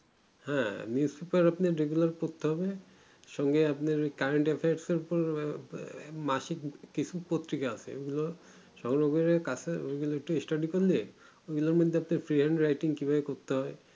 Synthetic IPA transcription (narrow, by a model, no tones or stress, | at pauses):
hɛ̃niuspepaɾapnaɾːeɡulaɾkoɾt̪eɦɔbe | ʃɔŋɡeapneɾkaɾeɳʈefʰajaɾseɾupoɾ | maʃikkit͡ɕʰupot̪ːɾikaasʰḛo̰ɡulo | ʃɔŋɾoɡeɾekat͡sʰeoɡuloek̚ʈuesʈaɖikolle | oɡuloɾmod̪ʱeapnaɾfɾiɦaɳɖɾajʈiŋkibʱabekoɾt̪eɦɔe